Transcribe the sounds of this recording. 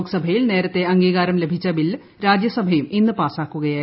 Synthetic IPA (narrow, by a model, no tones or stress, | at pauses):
ksɐbʱɐjilne̞ːɾɐt̪ːe̞ɐŋɡiːɣaːɾɐmle̞bʱit͡ɕːɐbil | ɾaːd͡ʑjɐsɐbʱɐjuminːɨpaːsaːkːuɣɐjaː